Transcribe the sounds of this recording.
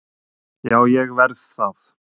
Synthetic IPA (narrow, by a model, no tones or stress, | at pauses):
jaːwjɛɣvɛɾðθaθ